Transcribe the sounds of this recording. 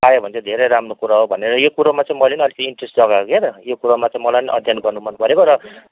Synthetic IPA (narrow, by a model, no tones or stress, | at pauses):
ajobʱʌnt͡sʰʌd̪ʱeɾejɾamrokuɾaɦobʱʌneɾʌjokuɾomat͡sãĩmʌlenʌlikiɳʈresʈd͡zʌɡakoket̪ʌjokuɾomat͡saĩmʌlajniʔʌd̪ʱjanɡʌrnumʌnpʌɾekoɾʌ